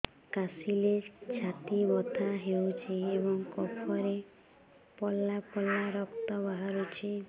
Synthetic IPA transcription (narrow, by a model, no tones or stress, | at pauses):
kasilet͡ʃʰat̪ibɔt̪ʰaɦewt͡ʃʰiebɔŋkɔpʰɔɾe | pɔlapɔlaɾɔkt̪ɔbaɦaɾut͡ʃʰi